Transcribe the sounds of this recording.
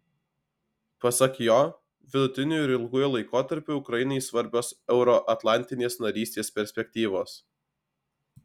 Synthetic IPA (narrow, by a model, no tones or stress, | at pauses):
pɐsɐkjoː | ʋʲɪd̪ʊt̪ʲɪnʲʊjɪɾʲɪlˠɡujɛlˠɐɪkoːt̪ɐɾʲpʲʊʊkɾɐjɪnɐɪsʋɐɾʲbʲoːsɛʊɾɔʔɐt̪lˠɑˑnʲt̪ʲɪnʲeːsnɐɾʲiːst̪ʲeːspʲɛɾʲsʲpʲɛk̚ʲt̪ʲiːʋoːs